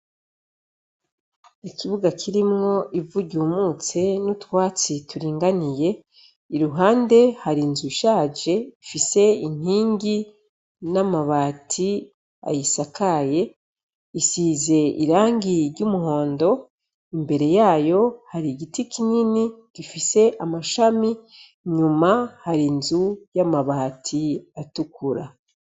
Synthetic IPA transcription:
ikʰiβuɡakʰiɾimŋo̞ivuɟuːmut͡se̞nutwaːt͡situɾiːŋɡanije̞ | iɾuɦaːnde̞haɾinzuʃaːd͡ʒe̞ifise̞in̥hiːŋɡi | namaβaːtʰi | a̰jisakʰaje̞ | isiːze̞ḭɾaːŋɡiɾɟumuho̞ːndo̞ | imbe̞ɾe̞jaːjo̞haɾiɡitikiɲiniɡ̥ifise̞ʔamaʃami | ɲumahaɾinzujamaβaːtʰiatukuɾa

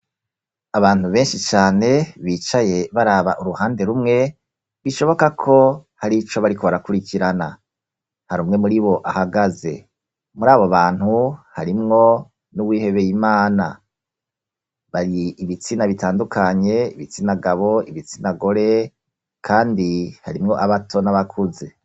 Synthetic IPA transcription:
aβaːnhuβe̞ːnʃit͡ʃaːne̞βiːt͡ʃaje̞βaɾaβa̰ʔuɾuhaːnde̞ɾumŋe̞ | βiʃo̞βo̞kakʰo̞haɾit͡ʃo̞βaɾiko̞βaɾakuɾiciɾana | haɾuːmŋe̞muɾiβo̞ʔahaɡaze̞̰ | muɾaːβoβaːn̥huhaɾimŋo̞ | nuwiːhe̞βe̞jimaːna̰ | βaɾiːβit͡sinaβitaːndukaɲe̞iβit͡sinaɡaβo̞iβit͡sinaɡo̞ɾe̞ | kʰaːndihaɾimŋo̞ʔaβatʰo̞naβakʰuze̞

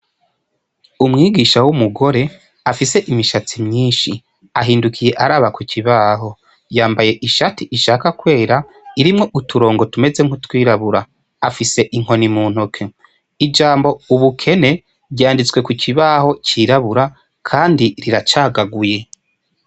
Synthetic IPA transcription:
umŋiːɡiːʃawumuɡo̞ɾe̞ | afise̞ʔimiʃat͡simɲiːnʃi | aɦiːndukʰije̞ʔaɾaːβakucʰiβaːɦo̞ | jaːmbaje̞ʔiʃatiʔiʃakakwe̞ːɾa | iɾimŋo̞ʔutʰuɾo̞ːŋɡo̞tume̞ze̞ŋ̥hutwiːɾaβuɾa | afise̞ʔiŋ̥ho̞nimuːn̥ukʰe | id͡ʒaːmbo̞uβukʰe̞ne̞ | bɟaːndit͡swe̞kucʰiβaho̞ciːɾaβuɾa | kʰaːndiɾiɾat͡ʃaːɡaɡuje̞

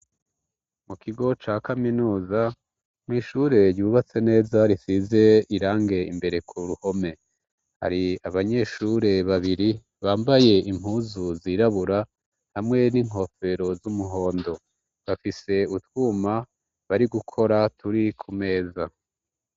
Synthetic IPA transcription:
mukiɡo̞t͡ʃaːkaminuːza | mwiːʃuɾe̞ɾjuβat͡se̞ne̞ːzaɾisize̞iɾaːŋɡe̞ḭmbe̞ɾe̞kʰuɾuho̞me̞ | ha̰ɾiaβaɲe̞ʃuɾe̞βaβiɾi | βaːmbaje̞im̥huːzuziɾaβuɾa | hamŋe̞niŋ̥ɦo̞fe̞ɾo̞zumuɦo̞ːndo̞ | βafise̞utwuːma | βaɾiɡukʰo̞ɾatʰuɾikʰume̞ːza

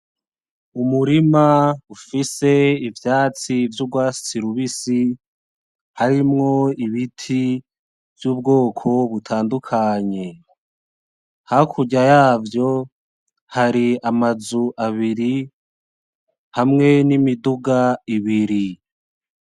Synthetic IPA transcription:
umuɾimaufise̞ivjaːt͡sivjubɡwaːsi̥t͡siɾuβisi | haɾimŋo̞iβitʰi | vjuːbɡo̞ːkʰo̞βutʰaːndukʰaɲe̞ | hakʰuɟajaːvjo̞ | haɾiamazuʔaβiɾi | hamŋe̞nimiduɡaiβiɾi

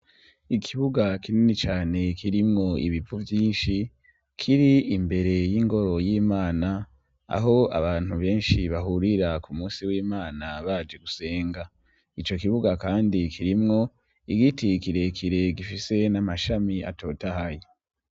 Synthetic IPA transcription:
ikʰiβuɡakininit͡ʃaːne̞kʰiɾimŋo̞ḭβipuvjiːnʃi | kʰiɾiːmbe̞ɾe̞jiŋɡo̞ɾo̞jiːmaːna | a̰ɦo̞a̰βaːn̥huβe̞ːnʃiβaɦuɾiɾakumuːsiwiːmaːnaβaːd͡ʒe̞ɡuse̞ːŋɡa | it͡ʃo̞kiβuɡakaːndikʰiɾimŋo̞ | iɡitikiɾe̞kʰiɾe̞ɡifise̞namaʃamia̰tʰo̞tahaji

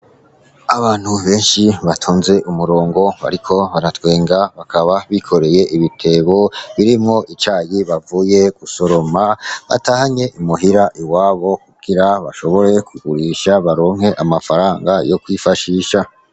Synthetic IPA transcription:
aβaːn̥huβe̞ːnʃiβatʰoːnze̞ʔumuɾo̞ːŋɡo̞βa̰ɾikʰo̞βaɾatwe̞ːŋɡaβakʰaβaβikʰo̞ɾe̞je̞ʔiβitʰe̞βo̞βiɾimŋo̞ʔit͡ʃaːjiβavuje̞ɡ̥uso̞ɾo̞maβa̰tahaɲe̞ʔimuɦiɾaʔiwaːβo̞k̚uɡiɾaβa̰ʃo̞βo̞ɾe̞kuɡuɾiʃaβaɾo̞ːŋ̥he̞ʔamafaɾaːŋɡajo̞kwifaʃiːʃa

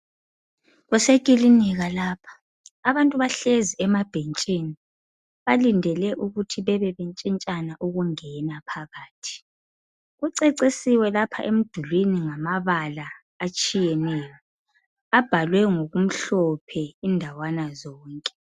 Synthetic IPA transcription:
ɣɛsekʼiliniɣalaːpʰḁ | aβantʼuβaɬeziɛmab̥ʱent͡ʃʼini | βalindʱɛlɛʔuɣutʰiβɛβɛβent͡ʃʼint͡ʃʼanaʔuɣuŋɛnapʰaɣaːtʰi̥ | ɣuǀeǀisiwɛlapʰa̰ʔem̩d̥ʱulwiniŋamaβalaː | t͡ʃʼijɛnɛjɔ | ab̥ʱalwɛŋoɣum̩ɬɔpʰɛindʱawanazɔːŋkʼɛ

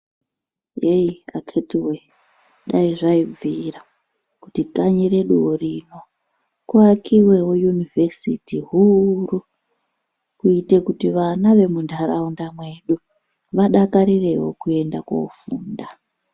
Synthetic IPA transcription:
jeia̰kʰetiwe | ɗaiʐaib͡viːɾa | kutikaɲiɾe̞ɗuworino̞ | kuakiwe̞wojunivʱesḭtiɦuru | kuite̞kutiʋanaʋe̞mundʱaɾaundamwe̞ɗu | ʋaɗakaɾire̞wo̞̰kue̞ndako̰ufuːnda

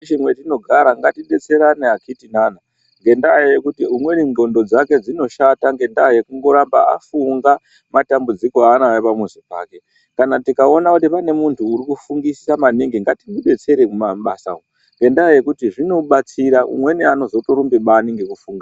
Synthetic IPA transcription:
t͡ʃimwetino̞ɡʱaɾaŋɡatiɓe̞t͡se̞ɾaneakitinaːna | ŋɡe̞ndajajekutiumwe̞ninɡo̞ndo̞d͡zake̞d͡zino̞ʃataŋɡe̞ndajekuŋɡo̞ɾamba̰a̰fuŋɡa | matambud͡ziko̞anajepamwezipa̰ːke̞ | kanatikao̞nakutipane̞muntʰuːɾikufuŋɡisamaniŋɡiŋɡatimuɓe̞t͡se̞ɾekumaɓasa̰ko | ŋɡe̞ndaje̞kutiʐino̞ɓat͡siɾaṵmwe̞niano̞zo̞to̞ɾumbiɓaniŋɡe̞kufuːŋɡa

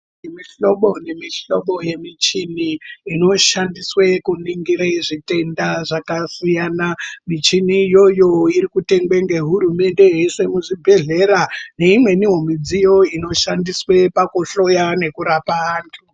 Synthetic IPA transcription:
emiɬo̞ɓo̞nemiɬo̞ɓo̞je̞mit͡ʃiniːno̞ʃandiswekuniŋɡiɾaiʐite̞ndaʐakasijanamit͡ʃinijo̞jo̞iɾikute̞ŋɡwe̞ŋɡe̞ɦuɾume̞nde̞ɦe̞se̞muʐibʱe̞ɮeɾane̞imwe̞niɦo̞mid͡zijo̞ino̞ʃandiswepakoɬo̞jane̞kuɾapaaːntʰu

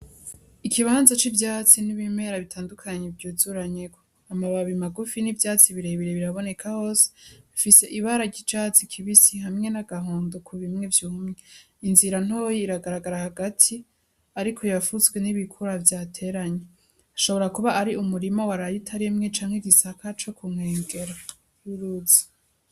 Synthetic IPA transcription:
ikʰiβaːnzat͡ʃibjaːt͡siniβime̞ɾaβitʰaːndukʰaɲevɟuːzuɾaɲe̞ko̥ | amaβaβimaɡufinibjaːt͡siβiɾeβiɾeβiɾaβo̞ne̞kʰaho̞ːse̥ifise̞ʔiβaɾaɟit͡ʃat͡sikʰiβisihamŋe̞naɡaɦoːndokʰuβimŋe̞vjuːmŋee | inziɾan̥o̞jiiɾaɡaɾaɡaɾahaɡatʰi | aɾikʰo̞jafuzɡwe̞niβikʰuɾavjaːtʰe̞ːɾaɲe | aʃo̞βo̞ɾakuβaʔaɾiumuɾimawaɾajitʰaɾimŋe̞t͡ʃaːŋheɟisakʰat͡ʃo̞kuŋ̥eːŋɡe̞ɾa | hiɾuzi̥

